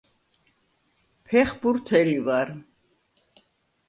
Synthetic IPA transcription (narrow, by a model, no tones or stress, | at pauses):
pʰɛχbuɾt̪ʰɛlivaɾ